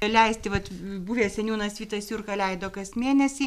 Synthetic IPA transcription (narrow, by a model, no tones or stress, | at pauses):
lʲɛɪsʲt̪ʲɪʋɐt̪buʋʲeːsʲɛnʲuːnɐsʋʲiːt̪ɐsʲjuːrkɐlʲɛɪd̪oːkɐsmʲeːnʲɛsʲiː